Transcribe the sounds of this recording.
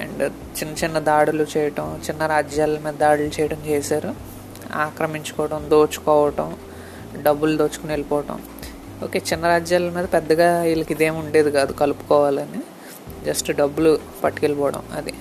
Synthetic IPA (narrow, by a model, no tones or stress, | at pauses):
ḛɳɖ | t͡ʃinːɐt͡ʃinːɐd̪aːɽulut͡ʃɛjɐʈɐmt͡ʃinːɐɾaːd͡ʒjaːlːɐmiːd̪ɐd̪aːɽulut͡ʃɛjɐʈɐmt͡ʃeːsaːɾu | a̰ːkɾɐmiɲt͡ʃu̥kɔːɐʈɐmd̪o̞ːt͡ʃːu̥kɔːʋɐʈɐm | ɖɐbːuld̪oːt͡ʃːu̥kunelipɔːʋɐʈɐ̰m | oːke̞ːt͡ʃinːɐɾaːd͡ʒjaːlɐmiːd̪ɐpɛd̪ːɐɡaːilɐkid̪e̞ːmuɳɖe̞ːd̪ikaːd̪ukɐlupu̥kɔːʋaːlɐni | d͡ʒɐsʈɖɐbːulu | pɐʈːikɛlɐpɔːɽɐ̰mɐ̰d̪i